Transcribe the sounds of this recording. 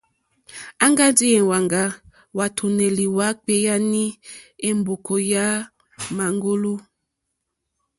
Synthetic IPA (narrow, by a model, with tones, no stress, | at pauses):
a˦ŋɡa˦di˦e˨wa˨ŋɡa˨ | wa˨tʰu˨nɛ˨li˨wa˦k͡pe˦ja˦ni˦e˦mbo˨ko˨ja˦ | ma˨ŋɡo˦lu˦